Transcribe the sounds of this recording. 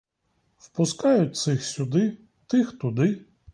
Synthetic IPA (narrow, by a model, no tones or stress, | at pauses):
wpʊskɑjʊt̚ʲt̪sɪxsʲʊd̪ɪ | t̪ɪxt̪ʊd̪ɪ